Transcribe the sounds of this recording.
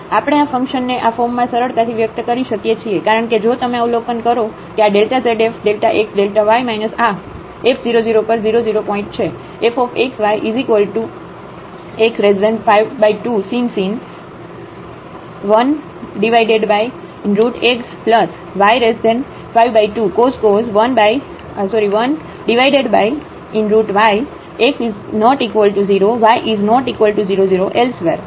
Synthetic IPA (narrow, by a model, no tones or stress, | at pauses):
apəɽ̃eafə̃ŋkʃənːeʔafomːãsəɾəɾt̪at̪ʰiʋjək̚t̪əkəɾiʃəkjet͡ʃʰiekaɾəɳked͡ʒot̪əmeaulokənkəɾo | keaɖelʈaseɖefɖelʈaʔeksɖelʈaʋajmajnəsa | efʰziɾod͡ʒiɾopəɾziɾod͡ʒiɾopɔ̃ĩɳʈ̚t͡ʃʰe | efɔfeksʋajʔizikʋəlʈu | eksɾesdeɳfajʋbaiʈusinsin | ʋən | ɖiʋajɖeɖbaj | ɪnɾuʈekspləs | ʋajɾesdẽɳ | fajʋbajʈukoskozʋənbaj | əsɔɾiʋən | ɖiʋajɖeɖbaj | ɪ̃nɾuʈʋaj | eksiznɔʈikʋəlʈuziɾoʋajʔiznɔʈikʋəlʈuziɾoziɾoʔelsʋeɾ